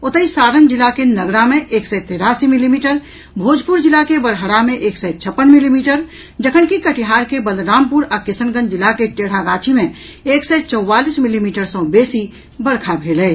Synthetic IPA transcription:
ot̪əisaɾənd͡ʒilakenəɡɾamẽʔeksɛt̪eɾasimilimiʈəɾ | bʱod͡ʒpuɾd͡ʒilːakebəɾɦəɽameʔeksɛt͡ʃʰəpːənmilimiːʈəɾ | d͡ʒəkʰənkikəʈʰiɦaɾkebəlɾaːmpuɾakisənɡənd͡ʒilːakeʈeɽ̤aɡat͡ʃʰimẽː | ksɛt͡ʃɔʊbalismilimiʈəɾsə̃besi | bəɾkʰabʱelɛ

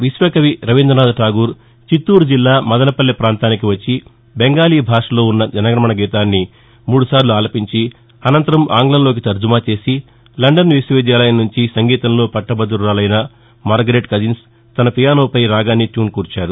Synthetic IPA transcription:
ʋiʃʋɐkɐʋiɾɐʋind̪ɾɐnaːd̪ʈaːɡuːɾ | t͡ʃit̪ːuːɾd͡ʒilːaːmɐd̪ɐnɐpɐlːepɾaːnt̪aːnik̬iʋɐt͡ʃːi | beŋɡaːliːbʱaːʂɐlo̞ːunːɐd͡ʒɐnɐɡɾɐmɐɳɐɡiːt̪aːnːi | muːɽusaːɾluaːlɐpiɲt͡ʃi | ɐnɐnt̪ɐɾɐmʔa̰ːŋɡlɐmlo̞ːk̬it̪ɐɾd͡ʒumaːt͡ʃe̞ːsi | lɐɳɖɐnʋisɐʋiːd̪jaːlɐjɐnuɲt͡ʃisɐŋɡiːt̪ɐmlo̞ːpɐʈːɐbɐd̪uɾːaːlɐjnɐ | mɐːɾɡɐɾeːʈkɐd͡ʒins | t̪ɐnɐpijaːnoːpɐjɾaːɡaːnːit͡ʃuːnkuːɾt͡ʃaːɾu

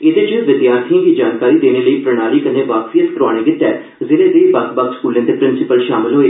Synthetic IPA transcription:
ed̪eːd͡ʒʊʋɪd̪jaːɾt̪ʰĩːɡid͡ʒaːnkaːɾiːd̪eːneːləiːpɾəɽ̃aːliːkəneːʋaːkijət̪kəɾaːɽ̃eːkɪt̪ːɛː | zɪleːd̪eːbakbakskuːlẽːt̪eːpɾɪnsɪpəlʃaːmɪlɦoːeː

